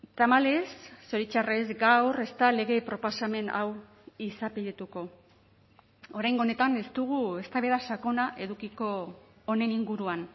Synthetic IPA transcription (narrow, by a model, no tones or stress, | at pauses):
t̪amale̞sːo̞ɾit͡ʃarezɡawre̞st̪ale̞ɣe̞pɾo̞posame̞na̰w | isapiðit̪uko̞ | oɾajŋɡone̞t̪ane̞st̪uɣ̞ue̞st̪aβe̞ðasako̞naʔe̞ðukiko̞ː | ne̞niŋɡuɾuan